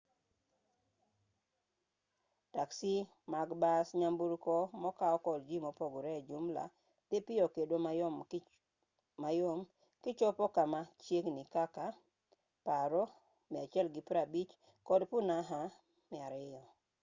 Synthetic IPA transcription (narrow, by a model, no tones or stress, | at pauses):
taksi | maɡbasɲambuɾkɔmɔkaɔkɔld͡ʒimɔpoɡoɾɛd͡ʒumla̰ | t̪epɪjɔkedomaɔm | majom | kɪt͡ʃɔpɔkamat͡ʃjeknikaka | paɾɔ | mɪat͡ʃjɛlɡɪpɾabit͡ʃ | kɔdpunaɦa | mɪaɾɪjɔ